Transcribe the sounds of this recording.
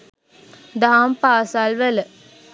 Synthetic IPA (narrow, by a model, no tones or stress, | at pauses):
d̪aɦampaːsalʋələ